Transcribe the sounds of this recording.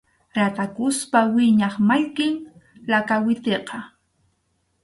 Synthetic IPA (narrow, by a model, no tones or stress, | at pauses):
ɾat̪akʊspawɪɲɑχmaʎkɪŋlakawɪt̪eqɑ